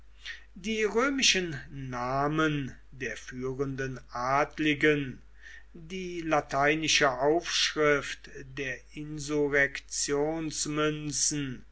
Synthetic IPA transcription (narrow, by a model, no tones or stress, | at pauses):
diːʁøːmɪʃənːaːmən | deːɐfyːʁəndənʔaːtlɪɡən | diːlatʰaɪnɪʃəʔaʊfʃʁɪftdeːɐʔɪnzuʁɛkt͡sjoːnsmʏnt͡sn̩